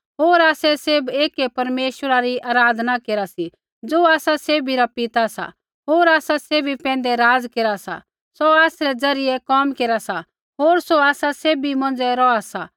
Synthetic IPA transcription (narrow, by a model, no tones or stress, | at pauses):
ɦoːɾaːsɛseːbeːkɛpɐɾmeːʃwəɾaɾiʔaːɾaːd̪ʱnakeːɾasi | d͡zoːaːsaseːbʱiɾapɪt̪asa̰ | ɦoːɾaːsaseːbʱipɛ̃ːn̆d̪ɛɾaːd͡zkeːɾasa̰ | soaːsɾɛd͡zɐɾɪjɛkɔːmkeːɾasa | ɦoːɾsoaːsaseːbimɐ̃nd͡zɛɾɔasa